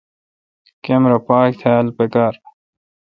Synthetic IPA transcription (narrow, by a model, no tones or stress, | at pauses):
kemɾɐpaːk̚t̪ʰalpekaːɾ